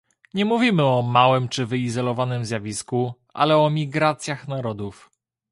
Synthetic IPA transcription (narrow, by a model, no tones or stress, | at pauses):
ɲɛmuvʲimɘɔmawɘmt͡ʂɘvɘizɔlɔvanɘmzʲjavʲisku | a̰lɛɔmʲiɡɾat̪sʲjaxnaɾɔd̪uf